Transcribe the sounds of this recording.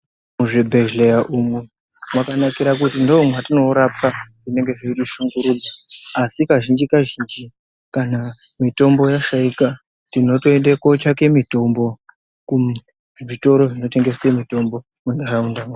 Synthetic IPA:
muʐebʱeʒlejaʔumwe | mwakanakiɾakutindo̞ːmwatino̞uɾap̚aʐine̞ŋɡe̞ʐeitiʃuŋɡuɾuːd͡zaːsikaʒind͡ʒikaʒind͡ʒi | kanamito̞mbo̞jaʃaika | tino̞toendekot͡ʃake̞mito̞mbo̞ | ku | ʐito̞ɾo̞ʐino̞te̞ŋɡe̞semito̞mbo̞ | muŋɡaraunda

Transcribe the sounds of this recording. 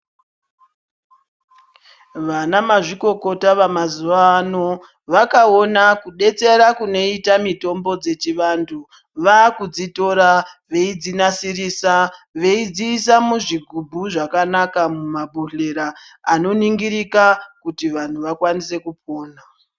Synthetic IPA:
ʋanamaʐiko̞ko̞taʋamazuʋaːno̞ | ʋakao̞nakuɗe̞t͡se̞ɾakuno̞itamito̞mbo̞d͡ze̞t͡ʃiʋantʰu | ʋaːkud͡zito̞ɾaʋe̞id͡zinasirisaʋe̞id͡ziːs̬amuʐiɡʱubʱuʐakanakamumabʱuɬe̞ɾaːno̞niŋɡiɾikakutiʋan̤uʋakwanise̞kup̚o̞ːna

